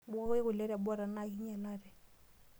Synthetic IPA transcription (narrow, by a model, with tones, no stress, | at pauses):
bɣɪ˦ɣʊ˨lɛ˦ɾa˨bɔ˦ɾa˨na˨i˦ɲɛ˨laː˦rɛ˨